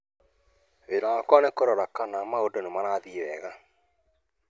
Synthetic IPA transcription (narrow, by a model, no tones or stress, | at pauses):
βeɾaːkwanekoɾɔɾakanamaodonomanaːðiβɛɣa